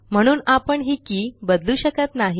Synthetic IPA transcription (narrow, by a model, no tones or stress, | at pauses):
m̤əɽ̃uːnapəɳɦiːkiːbəd̪luːɕəkət̪naɦi